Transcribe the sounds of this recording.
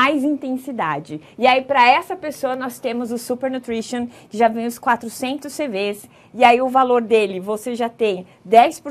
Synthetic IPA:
ajzĩt̪ẽsid̪a̰d͡ʒɪɪaipɾɐɛsɐpesoɐnɔst̪ẽmʊzʊsupeɾnut̪ɾiʃõkɪʒavẽj̃ʊskwat̪ɾʊsẽnt̪ʊsːeves | ɪaiʊvaloɾd̪elɪvoseʒat̪ẽj̃ | d̪ɛjspʊɾ

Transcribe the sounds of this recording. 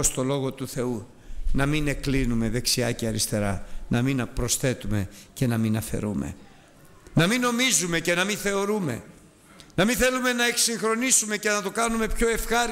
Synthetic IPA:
ost̪o̞lo̞ɣo̞t̪uθe̞u | nɐmine̞klinume̞ðe̞ksiɐ̰ceɐɾist̪e̞ɾɐnʔɐminɐpɾo̞sθe̞t̪ume̞ce̞nɐminɐfe̞̰ɾume̞̰ | nɐmino̞mizume̞ce̞nɐmĩnθe̞o̞ɾume̞̰ | nɐminθe̞lume̞nɐeksiŋxɾo̞nisume̞ce̞nɐt̪o̞kɐnume̞pço̞e̞fxɐɾ

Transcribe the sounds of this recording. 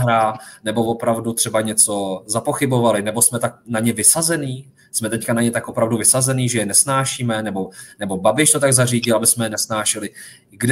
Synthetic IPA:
ɦɾaːnɛbo̞vo̞pɾavdut̪r̥ɛbaɲɛt͡so̞zapo̞xɪbo̞valɪnɛbo̞smɛt̪ak̚naɲɛvɪsazɛniː | smɛt̪ɛckanaɲɛt̪akʔopɾavduvɪsazɛniːʒɛjɛnɛsnaːʃiːmɛnɛbo̞nɛbo̞babɪʃt̪o̞t̪aɡzariːɟɪlabɪsmɛjɛnɛsnaːʃɛlɪ | ɡd

